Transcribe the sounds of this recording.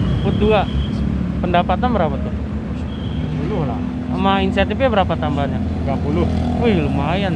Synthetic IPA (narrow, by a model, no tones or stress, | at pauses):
kut̪ua | pəndapat̪anbəɾapat̪u | apuluhla̰ | maainisiat̪ifabəɾapat̪ambaɲa | ɡapulʊhulumaɦajan